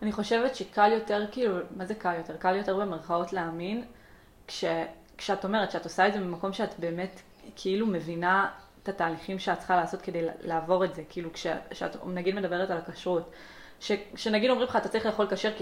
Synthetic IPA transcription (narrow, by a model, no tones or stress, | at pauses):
aniχo̞ʃe̞vetʃekʰaljo̞te̞ʁkiiːlumaze̞kaljo̞te̞ʁkaljo̞te̞ʁbe̞meʁχao̞tleamin | kʃe̞ | kʃeato̞me̞ʁetʃeato̞saedzemimako̞mʃeatbe̞ːme̞t | kʰiilume̞vina | t̪ataːliχimʃeatt͡sχalaːso̞tke̞dejllaːvo̞ʁetze̞kiilukʃeʃea̰tnaɡidme̞dabe̞ʁetalakaʃʁut | ʃekʃe̞naɡidomʁimleχatatt͡sɐʁiχleːχo̞lkaʃeʁk